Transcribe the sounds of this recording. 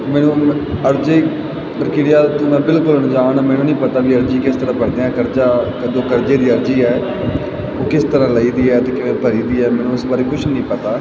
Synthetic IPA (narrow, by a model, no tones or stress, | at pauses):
mɛːnũːəɾd͡ʒeː | əɾkɪɽijaːt̪ʊnãːbɪlkʊlnd͡ʒaːnaːmɛːnũːnəĩːpət̪aːʋiːəɾd͡ʒiːkɪst̪əɾãːpəɽd̪ẽːɛ̃ːkəɾd͡ʒaːkəd͡ʒ̪õːkəɾd͡ʒeːd̪iːəɾd͡ʒiːɛː | oːkɪst̪əɾãːləiːd̪iːɛːt̪ẽːkɪeːpəɾiːd̪iːɛːmɛ̃ːnũʊsbaːɾiːkʊt͡ʃʰnəĩːpət̪aː